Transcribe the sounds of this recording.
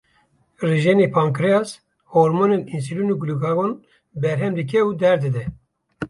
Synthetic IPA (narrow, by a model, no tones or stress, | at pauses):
riʒenepʰaŋkɾeɑs | hoɾmoneninsilunuːɡluɡaɣon | bɛɾɦɛmd̪ɨk̬ʰɛuːd̪ɛɾd̪ɨd̪ɛ